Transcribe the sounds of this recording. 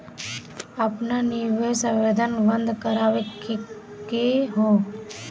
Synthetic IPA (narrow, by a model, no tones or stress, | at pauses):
əpnanɪɾʋesəʋeːd̪ʱənʋə̃nd̪kəɾaːʋek | keɦõː